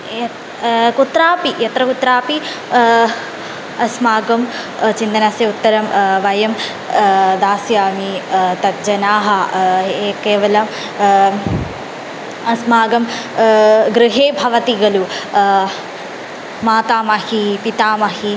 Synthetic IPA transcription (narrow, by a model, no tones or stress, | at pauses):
kut̪ɾaːpijɐt̪ɾɐkut̪ɾaːpi | ɐsmaːɡɐm | t͡ʃind̪ɐnasjɐut̪ːɐɾɐmʋɐjɐm | d̪aːsjaːmit̪ɐt̪̚d͡ʒɐnaːɦɐeːkeːʋɐlɐm | ɐsmaːɡɐm | ɡɾɪɦeːbʱɐʋɐt̪iɡɐlu | maːt̪aːmɐhipit̪aːmɐɦi